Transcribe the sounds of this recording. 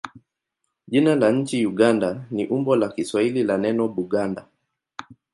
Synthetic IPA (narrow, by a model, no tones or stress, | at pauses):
ʄinalaɲ̩t͡ʃijuɡandaniʔumbɔlakiswahililanɛnɔɓuɡanda